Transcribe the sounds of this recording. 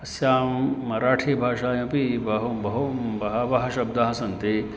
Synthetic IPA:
ɐsjaːmːɐɾaːʈʰiːbʱaːʂaːjɐ̃pibɐɦobɐɦombɐɦɐbɐɦɐʃɐbd̪aɦɐsɐnt̪e

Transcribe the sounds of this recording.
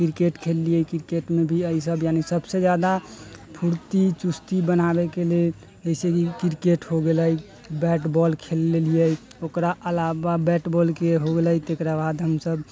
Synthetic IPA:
kɾkeʈkʰelːiəkiɾkeʈmebʱiəisəbjanisəbsed͡ʒjad̪apʰuɾt̪it͡ʃust̪ibənabekele | əisekikiɾkeʈɦoɡeləj | bɛʈbɔlkʰelːelijə | okɾaʔəlababɛʈbɔlkeɦoɡeləjt̪ekɾabad̪ɦəmsəb

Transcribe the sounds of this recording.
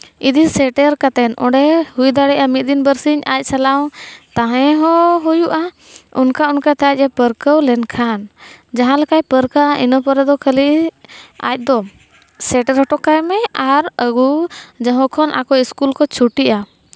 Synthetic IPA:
id̪isɛʈɛɾkat̪ɛnɔ̰̃ɖɛhujd̪aɽɛʔamit̪̚ˀd̪inbəɾsiɲa̰c̚ˀsalaw̃t̪ãɦɛ̃ɦɔɦujuʔa | unkaunkat̪ʰac̚ˀɛpəɾkəwlɛnkʰand͡ʒaɦãlakajpəɾkaʔaʔinəpəɾɛd̪ɔkʰəli | a̰c̚ˀd̪ɔ | sɛʈɛɾɦɔʈɔkajmɛaɾəɡud͡ʒaɦɔ̃kʰɔnʔa̰kɔiskulkɔt͡ʃʰuʈiʔa

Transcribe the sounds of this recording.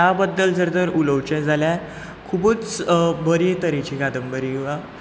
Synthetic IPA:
abəd̪ːəld͡zəɾd̪əɾuləwt͡ɕənd͡zʱalja | kʰubuːt͡sbəɾit̪əɾit͡ɕikad̪əmbəɾiʋa

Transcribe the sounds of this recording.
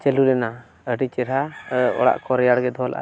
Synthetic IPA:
t͡ʃɛlulɛna | əɖit͡ʃɛɾɦaɔ̰ɽa̰ʔkɔɾɛjaɽɡɛd̪ʱɔlʔa̰ʔa̰

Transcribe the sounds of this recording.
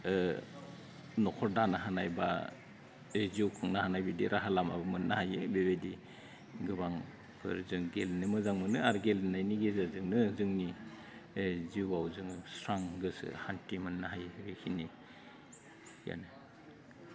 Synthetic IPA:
nɔkʰɔɾdanaɦanajba̰ | eziwkʰɯŋnahanajbidiɾʔaɦalama̰bɯmɯnːahajebeβedi | ɡɯβaŋ | pʰɯ̰ɾzɯŋɡelnɯmɯzaŋmɯnɯaɾɡelnajniɡezazɯŋnɯzɯŋni | ziwawzɯŋsɾaŋɡɯsɯ̰hantimɯnːaɦajɡekʰini | ja̰nɯ

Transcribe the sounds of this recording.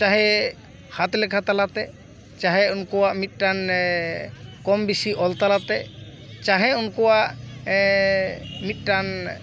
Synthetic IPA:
t͡ʃaɦɛ | hat̪lɛkʰat̪alat̪ɛ | t͡ʃaɦɛunkɔwaʔmit̪̚ˀʈan | kɔmbisiʔɔlt̪alat̪ɛ | t͡ʃaɦɛunkɔwaʔ | mit̪̚ˀʈan

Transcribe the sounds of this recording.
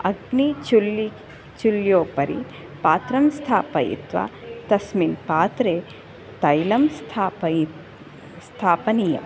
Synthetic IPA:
ɐɡnit͡ʃuli | t͡ʃuljoːpɐɾḭ | paːt̪ɾɐmst̪ʰaːpɐjḭt̪ʋa̰t̪ɐsminpaːt̪ɾeː | t̪ɐjlɐmst̪ʰapɐ | st̪ʰaːpɐnijɐ̰m

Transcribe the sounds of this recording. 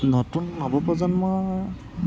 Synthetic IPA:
nɔtunːɔbɔpɔzanmɔj

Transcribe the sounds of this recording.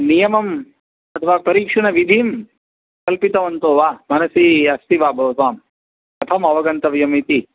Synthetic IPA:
nijɐmɐm | ɐt̪ʰɐʋaːpɐɾiːkʂɐɳɐʋid̪ʱiːm | kɐlpit̪ɐʋɐnt̪oːʋaːmɐnɐsiːɐst̪ibaːbʱɐʋɐt̪ʋaːm | ɐt̪ʰɐmɐʋɐɡɐnt̪ɐʋjɐmit̪i

